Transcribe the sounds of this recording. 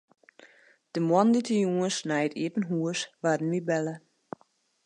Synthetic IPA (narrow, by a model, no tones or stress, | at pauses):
d̥əmwɔnditəjuŋəsnajətiːpənɦuəsʋadən̩ʋibɛlə